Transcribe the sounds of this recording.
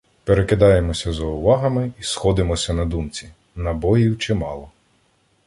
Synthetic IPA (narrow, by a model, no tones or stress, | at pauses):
peɾekɪd̪ɑjemɔsʲɐzɐʊʋɑɦɐmɪisxɔd̪ɪmɔsʲɐnɐd̪umt͡sʲi | nɐbɔjiwt͡ʃɪmɑlˠɔ